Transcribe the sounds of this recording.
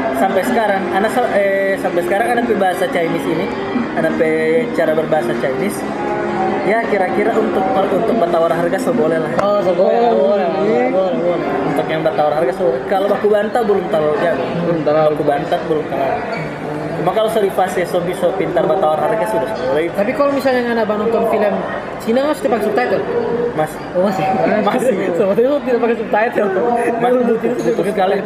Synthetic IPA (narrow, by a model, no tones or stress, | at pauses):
sampajsəkaɾaŋanasaɛsampajsəkaɾaŋanapɛbaɦasat͡ʃajmɪsini | anapɛt͡ʃaɾabərbaɦasat͡ʃajmɪs | jakiɾakiɾaunt̪ʊk̚aunt̪ʊk̚bat̪awarɦarɡasəbolɛlahɔsəbolɛobolbol | unt̪ʊkjaŋbat̪awarɦarɡasəbolɛkalobakubant̪abəlʊmt̪alald͡ʒabat̪aɾalkubant̪abəlʊmt̪ala | t͡ʃumakalosodifasɛsɔfisopint̪arbat̪awarɦarɡasudasəbolat̪apikalomisalɲaŋanabanɔnt̪ɔnfiləm | t͡ʃinaŋasu̥t̪ipakɛsup̚t̪ait̪jamas | omasmasəbolɛusut̪idapakɛsup̚t̪aɛt̪̚kat̪umaudut̪inadiukɪt̪̚kali